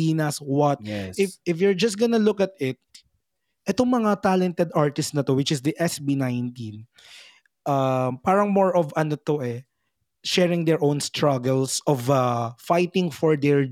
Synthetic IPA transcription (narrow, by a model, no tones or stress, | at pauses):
iːnɐswɐt̪̚ɪfɪfjʊɹd͡ʒɐst̪̚ɡɐnɐlʊkɐt̪̚ɪt̪̚ | ʔɛt̪oŋmɐŋat̪alɛnt̪ɛd̪aɹt̪ɪssnɐt̪o̞wɪt͡ʃɪsd̪iʔɛsbinajnt̪ĩn | ʔɐmpaːɾɐŋmoɹɔvɐnot̪oʔɛ | ʃɛɹɪŋd̪ɛɹʔõwnst̪ɹɐɡɛlsɔvafajt̪ɪ̃ŋfɔɹd̪ɛɹ